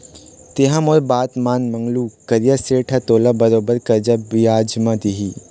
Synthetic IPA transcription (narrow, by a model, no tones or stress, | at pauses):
t̪eɦãmoɾbaːt̪maːnmɐ̃ŋɡlukɐɾijaseːʈʰat̪oːlabɐɾoːbəɾkɐɾd͡ʒabiaːd͡ʒmãd̪iɦi